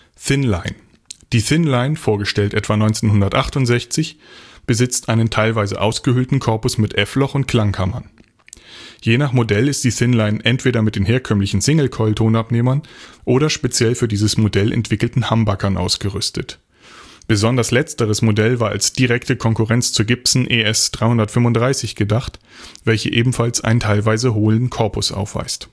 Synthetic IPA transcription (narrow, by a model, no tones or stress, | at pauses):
θɪnlaɪn | d̥iːθɪnlaɪnfoːɐɡəʃtɛltʔɛtv̥aːnɔʏnt͡seːnhʊndɐtʔaχtʊntz̥ɛçt͡sɪçb̥əzɪt͡stʔaɪnəntʰaɪlvaɪzə̰ʔaʊsɡ̥əhʏltn̩kʰɔɐpʊsmɪtʔɛflɔχʊnt̚kʰl̥aŋkʰamɐn | jeːnaχmodɛlɪst̚d̥iːθɪnlaɪnʔɛntv̥eːɾɐmɪt̚d̥eːnɦeːɐkʰœmlɪçn̩sɪŋl̩kʰɔʏltʰoːnapneːmɐnʔoːɾɐʃpet͡sjɛlfyːɐdiːzəsmodɛlʔɛ̰ntv̥ɪkl̩tn̩hambakʰɐnʔa̰ʊsɡ̥əʁʏstət | b̥əzɔndɐslɛt͡stəʁ̞əsmodɛlvaːɐa̰lsd̥iʁɛktəkʰɔŋkuʁɛnt͡st͡suːɐɡɪpsn̩ʔeːɛsd̥ʁaɪhʊndɐtfʏmvʊntd̥ʁaɪsɪçɡ̥ədaχt | v̥ɛlçəʔeːbm̩falsʔa̰ɪnəntʰaɪlvaɪzəɦoːləndn̩kʰɔɐpʊsʔa̰ʊfv̥a̰ɪst